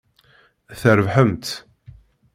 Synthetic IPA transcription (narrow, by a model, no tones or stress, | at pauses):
θəɾəvħəmt̪